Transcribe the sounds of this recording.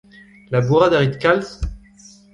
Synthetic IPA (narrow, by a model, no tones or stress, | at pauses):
labuʁad̪aʁit̪kals